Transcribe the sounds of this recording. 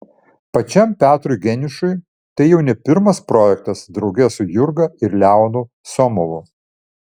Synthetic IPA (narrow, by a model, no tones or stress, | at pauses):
pɐt͡ʃʲɛmpʲæːt̪ɾʊɪɡʲɛnʲɪʃʊɪ | t̪ɐɪjɛʊnʲɛpʲɪɾmɐspɾoːjɛkt̪ɐsd̪ɾɒʊɡʲɛsʊjʊɾɡɐɪɾlʲæˑʊnʊ | sɔmɔʋʊ